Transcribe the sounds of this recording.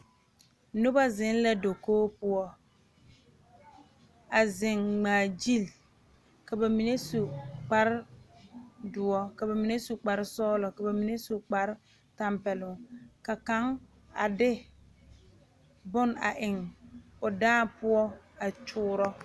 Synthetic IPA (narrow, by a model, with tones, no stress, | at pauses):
nʊ˦ba˦zɪ˨˦n˦la˦do˨koː˦pʊ˦ɔ˦ | a˨zɪ˨ŋɡ͡baː˨d͡ʒi˦˨l | ka˨ba˨mi˨ne˦su˨k͡pa˦ɾɪ˦ | dʊ˨ɔ˦ka˨ba˨mi˨ne˦su˨k͡pa˨ɾɪ˦sɔː˦lɔ˨ka˨ba˨mi˨ne˦su˨k͡pa˨ɾɪ˦ | ta˦mpɛ˨lʊ˨ka˨ka˨˦ŋ | a˨dɪ˦ | bʊ˦na̰˨ʔɪ˨ŋʊ˨daː˦pʊ˦ɔ˦a˨t͡ʃʊː˦ɾɔ˦